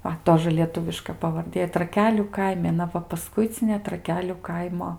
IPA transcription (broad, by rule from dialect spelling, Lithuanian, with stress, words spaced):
ˈʋɐ ˈtoːʒə lʲiɛˈtʊʋʲɪʃkɐ pɐʋɐrʲˈdʲeː trɐˈkʲæːlʲuː ˈkɐɪmʲɪ ɐˈnɐ ʋɐ pɐˈskʊɪt͡sʲɪnʲeː trɐˈkʲæːlʲʊ ˈkɐɪmoː